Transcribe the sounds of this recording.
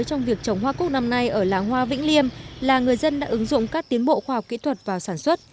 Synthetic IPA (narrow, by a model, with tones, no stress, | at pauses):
jt͡ɕɔ˧wŋ͡mvi˨˩ək̚t͡ɕə˨˩wŋ͡mɦwaː˧kʊ˦˥k͡p̚na˧mna˧jʔəː˧˩laː˨˩ŋɦwaː˧vḭ˧˥ŋ̟li˧əmlaː˨˩ŋɨ˨˩əjzə˧nɗa̰ː˧˥ʔɨ˨˦ŋzʊ̰˧˨ŋ͡mkaː˦˥k̚t̪i˨˦ənɓo̰˧˨xwaː˧hɔ˨˩k͡p̚kḭ˧˥t̪ʰwə˨˩t̚vaː˨˩wsaː˧˩nswə˦˥t̚